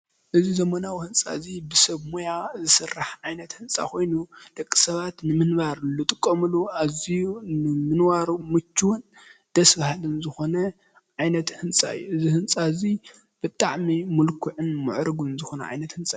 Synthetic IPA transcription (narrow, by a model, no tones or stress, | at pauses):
ʔɨzizɐmɐnawihɨnt͡sʼa̰zibɨsɐβmojazɨsɨrːaħʕajnɐt̪hɨnt͡sʼa̰kʰo̞jnud̪̥ɐkʼːi̥sɐβat̪nɨmɨnbaɾlɨt̪ʼɨkʼːɐmɨluʔazijunɨmɨnwaɾumɨt͡ʃʰːuwʊn | d̪̥ɐsbahalɨnzɨxo̞nɐ | ʕajnɐt̪hɨnsʼa̰ɨ̰jːuʔɨzihɨnt͡sʼazi | b̥ɨt̪ʼaʕmimulkʰʊʕɨnmɨʕɾɨɡuɨnzɨxo̞nɐ̰ʕa̰jnɐt̪hɨnt͡sʼa